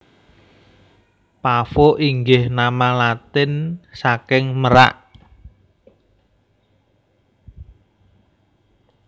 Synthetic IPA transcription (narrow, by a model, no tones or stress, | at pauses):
pafoʔiŋɡɪhnamalat̪ɪnsakɪŋməɾa̰ʔ